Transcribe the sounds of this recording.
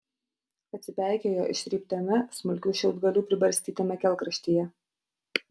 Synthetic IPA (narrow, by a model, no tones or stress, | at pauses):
ɐt̪ʲsʲɪpʲæˑɪkʲeːjoːʔɪ̰ʃʲɾʲiːp̚ʲt̪ʲɛmʲɛsmʊlʲkʲuːʃʲɪlˠd̪ɡɐlʲuːpʲɾʲɪbɐɾʲsʲt̪ʲiːt̪ʲɛmʲɛkʲɛlˠˑkɾɐʃʲt̪ʲijɛ